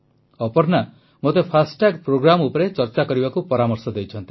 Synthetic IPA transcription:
ɔpɔɾna | mot̪epʰasʈakpɾoɡɾamupɔɾet͡ʃɔɾt͡ʃakɔɾibakupɔɾamɔɾsɔd̪ejt͡ʃʰɔnt̪i̥

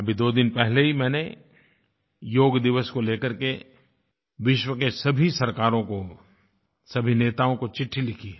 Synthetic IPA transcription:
ɐbʱid̪oːd̪ɪnpɛɦleɦimɛ̃ːne | joːɡd̪ɪʋəskoleːkəɾke | ʋɪʃwəkesɐbʱisɐɾkaːɾõko | sɐbʱineːt̪aːõkot͡ʃɪʈʰːilɪkʰiɛ

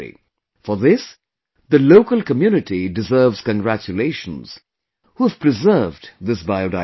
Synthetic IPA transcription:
ḭ | fəðɪs | ðəloʊkəlˠkəmjuːnɨʈidɨzɜːvz̥kə̃nɡɹæt͡ʃəleɪʃə̃nz̥ | huəv̥pʰɹɨzɜ˞vdðɪsbaɪoda

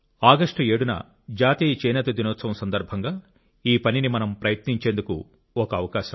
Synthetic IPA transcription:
aːɡɐʂʈe̞ːɽunɐ̰ | d͡ʒaːt̪iːjɐt͡ʃeːjnɐt̪ɐd̪inɔːt̪sɐʋɐmsɐnd̪ɐɾbʱɐŋɡaː | iːpɐninimɐnɐmpɾɐjɐt̪niɲt͡ʃe̞ːnd̪uku | ɔkɐɐːʋɐkaːʃɐm

